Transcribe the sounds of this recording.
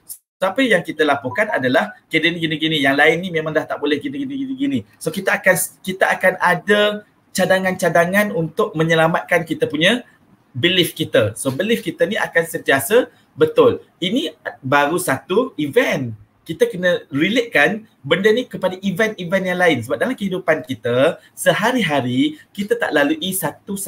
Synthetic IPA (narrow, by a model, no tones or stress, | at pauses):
s | sapəjaŋkit̪əlapɔkana̰dalahkədənɡiniɡinijaŋlaɪnːĩmẽmãŋdaht̪aʔbolɛhɡiniɡiniɡiniɡinisokit̪aːkankit̪aʔakanada | t͡ʃadaŋant͡ʃadaŋanunt̪ʊk̚mə̃ɲəlamat̪̚kankit̪apuɲã | bəlifkit̪əsobəlifkit̪aniʔa̰kansənt̪iasə | bət̪ʊl | inibaɾusat̪uivɛn | kit̪akənə̃rileʔ̚kan | bəndənikəpadaʔivɛnivɛnjaŋlaɪnsəbap̚dalamkəɦidupankit̪a | səɦaɾiɦaɾikit̪at̪a̰ʔlaluʔisat̪us